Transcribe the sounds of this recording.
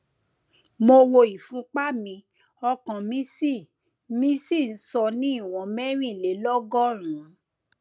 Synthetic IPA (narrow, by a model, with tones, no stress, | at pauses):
mo˧wo˧i˨fũ˨˦k͡pa˦mĩ˧ | ɔ˧kɔ̃˨mĩ˦si˦˨ | mĩ˦si˦˨n̩˦sɔ˧nĩ˨˦i˦˨w̃ɔ̃˨mɛ˦ɾ̃ĩ˦˨le˨˦lɔ˦ɡɔ˦˨ɾ̃ũ˨˦